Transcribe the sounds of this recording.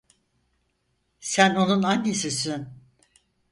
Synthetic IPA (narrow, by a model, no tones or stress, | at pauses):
sæno̞nunanːesisin